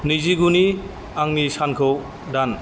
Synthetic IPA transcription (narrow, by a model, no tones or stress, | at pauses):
niziɡuni | aŋnisankʰɯw | dan